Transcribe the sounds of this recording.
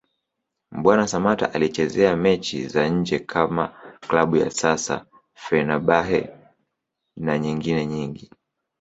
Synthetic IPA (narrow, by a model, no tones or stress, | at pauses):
ɓwanasamata̰ʔalit͡ʃɛzɛamɛt͡ʃḭzaɲ̩d͡ʒɛkʰamaklaɓuja̰sasa̰ | fɛnaɓaɦɛ̰ | naɲiŋɡinɛɲiŋɡi